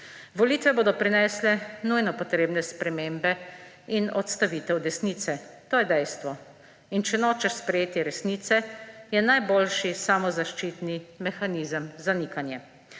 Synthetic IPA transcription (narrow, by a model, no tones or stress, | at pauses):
ʋɔliːt̪ʋɛboːd̪ɔpɾinɛːslɛnujnɔpɔt̪ɾeːbnɛspɾɛmeːmbɛ | inɔt̪st̪aʋiːt̪ɛwd̪ɛsniːt̪sɛt̪oːjɛd̪ɛjst̪ʋɔ | int͡ʃɛnoːt͡ʃɛʃspɾɛjeːt̪iɾɛsniːt̪sɛjɛnajboːlʃisamɔzaʃt͡ʃiːt̪nimɛxaniːzəmzanikanjɛ